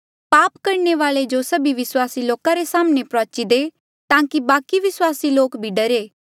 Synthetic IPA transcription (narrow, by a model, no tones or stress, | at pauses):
paːpkɐɾneʋaːɭed͡ʒosɐbiʋɪswaːsiloːkaɾesaːmnepɾɔːt͡ʃid̪e | t̪ãːkibaːkiʋɪswaːsiloːkbʱiɖɐɾeː